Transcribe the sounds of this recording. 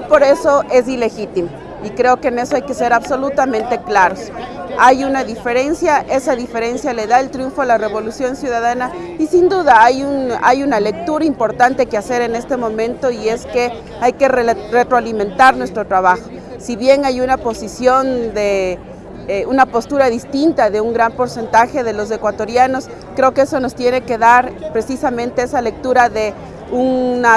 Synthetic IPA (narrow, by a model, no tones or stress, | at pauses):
po̞ɾeso̞e̞sile̞xit̪imo | ikɾe̞okeːne̞so̞ajke̞se̞ɾaβso̞lut̪amẽnt̪e̞klaɾosajunaðife̞ɾe̞nsjaʔe̞saðife̞ɾe̞nsjale̞ðaelt̪ɾjuɱfoalare̞βo̞lusjo̞nsjuðaðanaisind̪uðaajuna̰junale̞k̚t̪uɾaimpo̞ɾt̪ant̪ekease̞ɾe̞ne̞st̪e̞mõ̞mẽ̞nt̪o̞ie̞ske | ajke̞rret̪ɾoalimẽ̞nt̪aɾnwe̞st̪ɾot̪ɾaβ̞axo̞ | siβje̞ŋajunapo̞sisjo̞nd̪e | unapo̞st̪uɾaðist̪int̪aðe̞uŋɡɾampo̞ɾse̞nt̪axe̞ðe̞lo̞s̬e̞kwat̪o̞ɾjano̞s | kɾe̞okeeso̞no̞st̪je̞ne̞ke̞ðaɾpɾe̞sisamẽ̞nt̪e̞esale̞k̚t̪uɾaðe̞ | una